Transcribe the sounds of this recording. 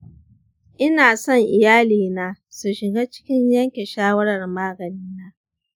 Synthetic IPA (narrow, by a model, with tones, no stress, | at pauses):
ʔɪ˦naː˨sɔ˦˨ŋʔɪ˨jaː˦liː˨naː˨ | su˨ʃɪ˨ɡa˦t͡ʃɪ̥˦kʲɪ˦ɲjɐ˦ŋkʲe˨ʃaː˦wɐ˦ɽɐ˨rmaː˦ɡɐ˨niː˦naː˦